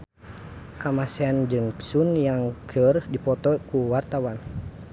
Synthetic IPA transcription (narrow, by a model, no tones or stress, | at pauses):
kamasɛand͡ʒɨŋsunjaŋkʰərdipɔt̪ɔkuwart̪awan